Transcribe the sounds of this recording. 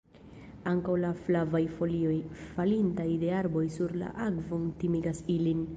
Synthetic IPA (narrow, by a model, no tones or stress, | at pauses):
aŋkawlaflavajfo̞lio̞jfalintajde̞aɾbo̞jsuɾla̰ʔaɡvontimiɡasilin